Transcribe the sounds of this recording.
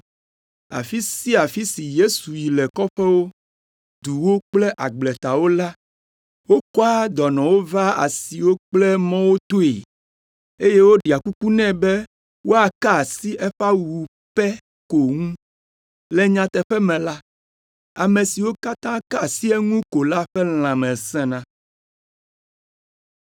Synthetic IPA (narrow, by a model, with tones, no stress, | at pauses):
a̰˨fi˦si˦a˨fi˦si˨je˦su˨ji˨lɛ˨kɔ˦ɸɛ˦wo˦ | d̪u˨wo˦k͡plɛ˦ʔa˨ɡ͡blɛ˨t̪a˨wo˦la˦ | wo˦kɔ˦a˦d̪ɔ˨nɔ̃˨wo˦va˦a̰˨si˨wo˦k͡plɛ˦mɔ̃˦wo˦t̪o˦ḛ˨ | e˦je˦wo˦ɖi˨a˨ku˦ku˦nɛ̃˦bɛ˦ | wo˦a˨ka˦˨si˦ʔɛ˦ɸa˦wu˨u˨ | ɸɛ˦ | ko˨ŋũ˦ | lɛ˦ɲã˨t̪ɛ˨ɸɛ˦mɛ̃˨la˦ | a˨mẽ˨si˨wo˦ka˦t̪ã˦ka˦˨si˦ɛ˦ŋũ˦ko˨la˦ɸɛ˦l̃ã˨mɛ̃˨sɛ̃˦nã˦